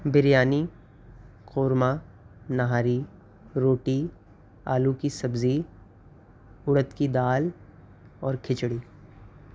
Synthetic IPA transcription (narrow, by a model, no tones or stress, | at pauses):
bɪɾjaːni | qoːɾma | nɐɦaːɾi | ɾoːʈi | a̰ːlukisɐbzi | ʊɽət̪kid̪aːl | ɔːɾkʰɪt͡ʃɽiː